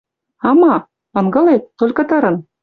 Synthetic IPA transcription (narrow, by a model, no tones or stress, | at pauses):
ɑmɑ | ɤ̆nɡɤ̆let̪ːolʲkɤ̆t̪ɤɾɤ̆n